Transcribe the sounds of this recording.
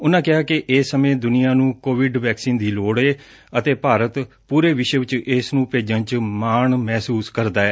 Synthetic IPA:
ʊnãːkɪɦaːkɪʔeːsːəmẽːd̪ʊnɪjãːnũːkoːʋɪɖʋɛːksiːnd̪iːloːɽeː | ət̪eːpaːɾət̪ | puːɾeːʋɪʃeːʋɪt͡ʃɪsnũːpeːd͡ʒə̃nt͡ʃmaːɳmɛːsuːskəɾd̪aːɛː

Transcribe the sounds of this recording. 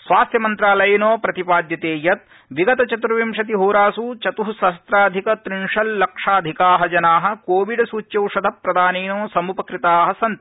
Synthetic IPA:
sʋaːst̪jɐmɐnt̪ɾaːlɐjɐnoːpɾɐt̪ipaːd̪jɐt̪eːjɐt̪̚ | ʋiɡɐt̪ɐt͡ʃɐt̪ɾɐʋimʂɐt̪̬iɦoːɾaːsuːt͡ʃɐt̪uɦusɐɦɐst̪ɾaːd̪ʱikɐt̪ɾiɳʂɐlːɐkʂaːd̪ʱikaːɦɐd͡ʒɐnaːɦɐ̆koːʋiɖsuːt͡ʃjɐwʂɐd̪ʱɐpɾɐd̪aːneːnoːsɐmupɐkɾit̪aːɦɐsɐnt̪

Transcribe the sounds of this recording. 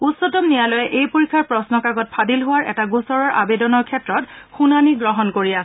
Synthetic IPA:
utsɔtɔmnijalɔjɛʔejpoɹikʰːaɹpɹɔsnɔkaɡɔt̚pʰadilɦʊwaɹɛ̰taɡusɔɹɔɹa̰bedɔnɔɹkʰɛtɹɔtxunaniɡɹɔɦɔnkoɹias

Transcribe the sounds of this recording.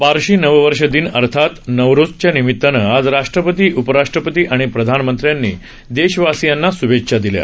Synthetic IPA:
paɾɕiːnəʋʋəɾʂəd̪inəɾt̪ʰat̪nəʋɾot͡st͡ɕjanimit̪ːənəad͡zɾaʂʈɾəpət̪iːʔupəɾaʂʈɾəpət̪iːʔaɽ̃ipɾəd̪ʱanmənt̪ɾjanːḭː | d̪eɕʋasijanːasubʱekʂʰad̪ilja̰

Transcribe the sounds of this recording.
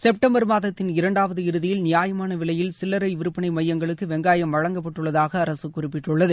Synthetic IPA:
sɛp̚ʈɐmbɐɾmaːðɐt̪ːɪnɪɾɐɳɖaːʋɐðɯɪɾɯðɪjɪlnɪjaːjɐmaːnɐʋɪɭɐjɪlsɪlːɐɾɐɪʋɪɾɯpːɐɳɐɪmɐjːɐŋɡɐɭɯkːɯʋɛŋɡaːjɐmʋɐɻɐŋɡɐp̬ːɐʈːɯɭːɐðaːɣɐːɾɐsɯkʊrɪpːɪʈːrɯɭːɐðɯ

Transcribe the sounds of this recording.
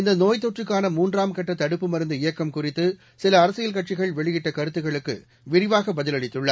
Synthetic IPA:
ɪnd̪ɐnoːjt̪ɔʈrɯkːaːnɐmuːndraːmkɐʈːɐt̪ɐɽɯpːɯmɐɾɯnd̪ɯɪjɐkːɐmkʊrɪt̪ːɯ | sɪlɐːɾɐsɪjɐlkɐʈ̚t͡ʃɪɣɐɭʋɛɭɪjɪʈːɐkɐɾɯt̪ːɯɣɐɭɯkːɯ̰ | ʋɪɾɪʋaːɣɐbɐðɪlɐɭɪt̪ːɯɭːɐ

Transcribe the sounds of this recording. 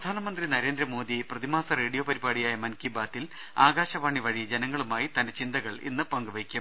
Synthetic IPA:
ɐd̪ʱaːnɐmɐnd̪rinɐɾe̞ːnd̪ɾɐmo̞ːd̪iprɐðimaːsɐre̞ːɽijoːpɐɾibaːɽijaːjɐmɐnkibaːt̪ːil | aːɡaːɕɐʋaːɳiʋɐɻijɐd͡ʑenɐŋːɐɭumaːjit̪ɐndet͡ɕind̪ɐɣɐɭḭnːɨpɐŋɡuʋɐkʲːum

